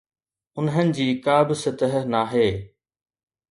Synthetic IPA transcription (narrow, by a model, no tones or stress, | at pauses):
ʊnɦənɪ̆d͡ʑiːkaːbɪsɪt̪əɦnaːɦeː